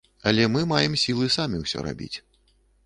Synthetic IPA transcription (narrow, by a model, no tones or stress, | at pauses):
ɐlʲɛmɨmajɛmsʲilˠɨsamʲiwsʲɔ̰ɾa̰bʲḭt͡sʲ